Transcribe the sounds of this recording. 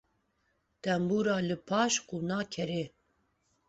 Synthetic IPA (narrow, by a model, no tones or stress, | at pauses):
t̪ɛmbuːɾɑːlɨpʰɑːʃquːnɑːkʰɛɾe